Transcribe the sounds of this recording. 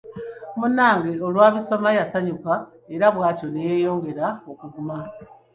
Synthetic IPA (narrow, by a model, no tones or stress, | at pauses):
munaːŋɡeolwaːβiso̞majasaɲuka | eɾaβwaːco̞neje̞jo̞ːŋɡe̞ɾaokuɡuma